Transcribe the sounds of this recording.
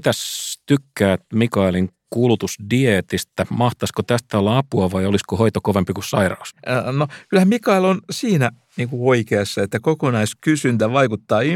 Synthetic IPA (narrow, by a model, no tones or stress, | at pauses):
t̪æst̪ykːæːt̪mikɑiliŋkulut̪usdiet̪ist̪æmɑht̪ɑskot̪æst̪ælɑpuɑʋɑioliskohoit̪okoʋempikussɑirɑ̰usnokylhæmmikɑilonsiːnæ | niːŋkuoikeɑsːɑet̪ːækokonɑiskysynt̪æʋɑikut̪ːɑːi